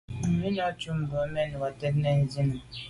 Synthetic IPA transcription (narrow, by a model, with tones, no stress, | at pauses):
m̩˨mi˦nɔ˦t͡ʃu˦m̩˨bo˨˦me˦ni˨wa˨te˦tne˦n̩˦zi˦ni˨